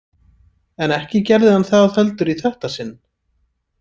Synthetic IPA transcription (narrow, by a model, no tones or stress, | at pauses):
ɛnɛhcɪcɛɾðɪhanθaððœlt̪ʏɾiθɛht̪asɪnː